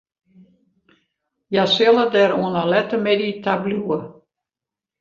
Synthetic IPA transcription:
jasɪlˠədɛɾuənalɛtəmɛditʰabluə

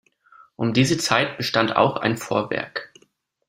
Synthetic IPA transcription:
ʔʊmdiːzət͡saɪt̚b̥əʃtanta̰ʊxa̰ɪnfoːɐvɛ̰ɐk

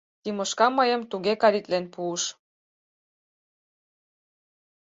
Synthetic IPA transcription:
t̪imɤ̆ʃkɑmɤjə̆mt̪uɣekɑɾit̪lenpuəʃ

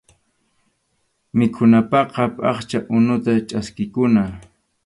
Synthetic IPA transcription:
mɪkʰʊnapɑqɑpʼɑχt͡ʃaʔʊnʊt̪at͡ʃʼaskɪkʊna

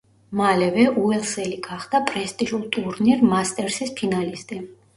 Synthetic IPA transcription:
malɛvɛʔuɛlˠsɛliɡaχd̪apʼɾɛst̪ʼiʒulˠt̪ʼuɾniɾmast̪ʼɛɾsispʰinalist̪ʼi

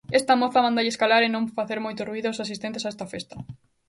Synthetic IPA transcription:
est̪amoθamãnd̪aʎeskalaɾenõɱfaθeɾmojt̪ʊruiðʊosas̬ist̪ẽnt̪esaest̪ɐfest̪ɐ

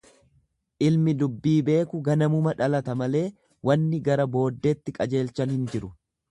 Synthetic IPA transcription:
ʔɪlmɪd̪ʊbːiːbe̞ːkʊɡɐnɐmʊmɐᶑɐlɐt̪ɐmɐle̞ː | wɐnːɪɡɐɾɐbo̞ːd̪ːet̪ːɪkʼɐd͡ʒe̞ːlt͡ʃɐnhɪnd͡ʒɪɾʊ

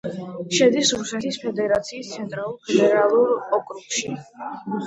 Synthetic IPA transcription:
ʃɛd̪isɾusɛt̪ʰispʰɛd̪ɛɾat̪sʰiːst̪sʰɛnt̪ʼɾalˠuɾpʰɛd̪ɛɾalˠuɾɔkʼɾupʃi

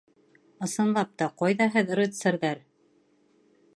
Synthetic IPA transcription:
ɤ̆sɤ̆nlˠɑp̚t̪ɑqɑjðɑɦɘð̆ɾɘ̆t̪sɘ̆ɾðæɾ

